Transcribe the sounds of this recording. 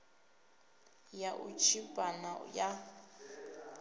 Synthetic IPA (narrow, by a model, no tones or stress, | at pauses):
jaʔut͡ʃʰipʼana̰ja